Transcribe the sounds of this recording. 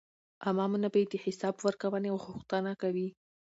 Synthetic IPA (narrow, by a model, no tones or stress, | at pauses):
ʔamɑmunabajed̪əħɪsɑbwəɾkawəneawɣʊxt̪ənakawi